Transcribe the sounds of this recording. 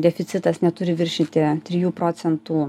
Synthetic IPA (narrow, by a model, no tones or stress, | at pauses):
d̪ʲɛfʲɪt̪sʲɪt̪ɐsnʲɛt̪ʊɾʲɪʋʲɪɾʲʃʲɪt̪ʲɪt̪ʲɾʲɪjuːpɾoːsʲɛnt̪uː